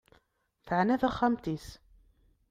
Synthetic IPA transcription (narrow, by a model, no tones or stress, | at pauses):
θəʕnæθæχːamt̪is